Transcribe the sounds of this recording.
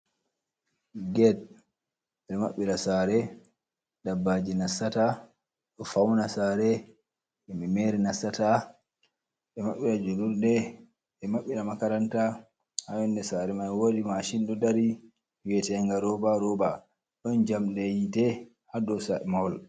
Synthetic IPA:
ɡɛd | ɓɛmaɓːiɾasaɾɛ | dabːad͡ʒinasːata | ɗɔfawnasaɾɛ | ʔɛmimɛɾinasata | ɓɛmaɓːiɾad͡ʒoluɾdɛ | ɛmaɓːiɾamakaɾanta | hawɛndɛsaɾɛmajwodimaʃindɔdaɾi | wɛtɛŋɡaɾɔbaɾɔba | ɗɔnd͡ʒamɗɛjitɛ | hadɔsaɛmahɔl

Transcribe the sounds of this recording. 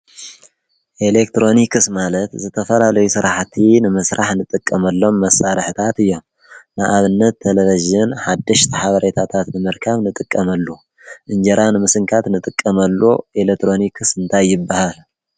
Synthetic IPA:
ʔe̞lek̚t̪ɾo̞nikʰɨsmalɐt̪zɨt̪ʰɐfɐlalɐjusɨɾaħt̪ʰinɨmɐsɾʔaħnɨt̪ʼɨkʼːɐmɐlːo̞mːɐsaɾħɨt̪ʰat̪ɨjːo̞m | nɨʔaβɨnːɐt̪ʰːeleviʒɪnħad̪ːɐʃt̪ʰiħaβɐɾet̪ʰat̪ʰat̪nɨmɨɾkʰaβnɨt̪ʼɨkʼːɐmɐlːo | ʔɨnd͡ʒɐɾʔanɨmɨsɨŋkʰat̪nɨt̪ʼɨkʼːɐmɐlːoʔelek̚t̪ʰɾo̞nikʰɨsɨnt̪ʰajːɪbːahal

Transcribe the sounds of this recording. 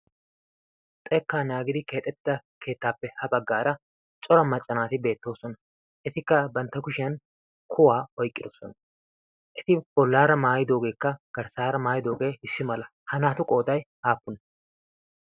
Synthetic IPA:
t̪ʼɛːkːaːnjaːɡɪd̪ɪke̞ːt̪ʼːɛt̪ːɪd̪ɐkʰe̞ːt̪ːaːpːɛhɐbɐɡːaːɾɐ | t͡ʃʼɔɾɐmɐt͡ʃʼːɐnaːt̪ɪbe̞ːt̪ːo̞ːsɔnɐ | ʔɛt̪ɪkːɐbɐnt̪ːɐkʊʃɪɐn | kʰʊwaːɔjkʼːɪd̪ɔsɔnɐ | ʔɛt̪ɪbɔlːaːɾɐmaːjɪd̪o̞ːɡe̞ːkːɐɡ̥ɐɾsaːɾɐmaːjɪd̪o̞ːɡe̞ːɪsːɪmɐlɐ | hɐnaːt̪ʊkʼo̞ːd̪ɐjhaːpːʊnɐ

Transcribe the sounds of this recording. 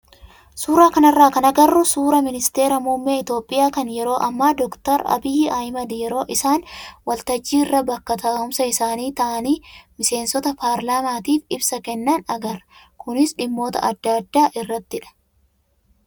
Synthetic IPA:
suːɾaːkɐnɐrːaːkɐnɐɡɐrːʊsuːɾɐmɪnɪst̪e̞ːɾɐmuːmːeːɪt̪jo̞ːpʼːɪjaːkɐnjɛɾo̞ːʔɐmːaːd̪ɔkt̪ɐɾɐ̰bɪjɪɐjmɐd̪jɛɾo̞ːʔɪsaːnwɐlt̪ɐd͡ʒːiːɪrːɐbɐkːɐt̪aːʊmsɐɪsaːniːt̪ɐʔɐniːmɪse̞ːnsɔt̪ɐpʰaːɾlaːmaːt̪iːfɪbsɐkɛnːɐnɐɡɐr | kʊnɪsᶑɪmːo̞ːt̪ɐ̰ʔɐd̪ːad̪ːaːʔɪrːɐt̪ːɪᶑɐ̥

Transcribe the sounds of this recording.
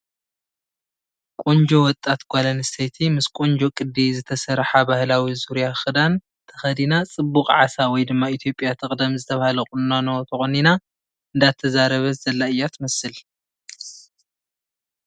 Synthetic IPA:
kʼond͡ʒo̞wɔt̪ʼːat̪ɡʷalɐnɨsʰet̪ʰimɨskʼond͡ʒo̞kʼɨd̪ːizɨt̪ʰɐsɐɾħabahlawizuɾjaxɨd̪an | t̪ʰɐxɐd̪inat͡sʼɨbːuqʼʕa̰sawɔjd̪ɨmːait̪ʰjo̞pʼːjat̪ʰɨkʼd̪ɐmzɨt̪ʰɐβahlɐkʼunnanot̪ʰɐxonina | ɨnd̪at̪ʰːɐzaɾɐβɐzɐlːaɨjːat̪ʰɨmɐsɨl

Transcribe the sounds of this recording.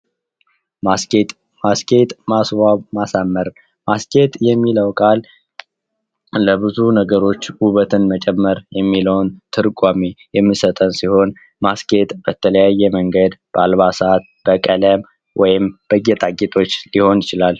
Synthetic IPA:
masket̪ʼ | maskʰʼet̪ʼmaswaβmasamːəɾ | maskʰe̞t̪jɛmːiləwkʼal | ləbɨzunəɡəɾo̞t͡ʃːwuβət̪ʰɨnmət͡ʃʼɛmːəɾjɛmːiləwnt̪ʰɨɾkʼwamejɛmːisət̪ʼənsiho̞n | maske̞t̪ʼb̥ət̪ʰələjajːɛməŋɡəd̪b̥əalβasat̪̚b̥əkʼələm | wʔɔjɪmb̥əɡet̪ʼaɡʼit̪ʼo̞t͡ʃːliho̞njɪt͡ʃɪlal

